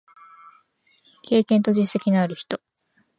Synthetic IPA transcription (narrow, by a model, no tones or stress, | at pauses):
kʰe̞ːkẽnt̪o̞ʑĩse̞kʲinaɾɯ̟çi̥t̪o̞